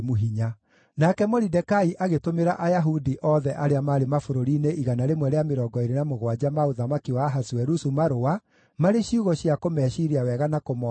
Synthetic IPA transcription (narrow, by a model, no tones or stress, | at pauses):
muɦiɲa | nakɛmɔɾidɛkaiʔaɣetomeɾa̰ʔajaɦudiʔɔðɛʔaɾeamaɾemafoɾoɾiːneʔiɣanaɾemwɛɾeameɾɔːɡɔeɾenamoɣwad͡ʑamaoðamakiwaɦaswɛɾusumaɾoa | maɾeɕiuɣɔɕjakomɛːʃiɾiawɛɣanakomɔ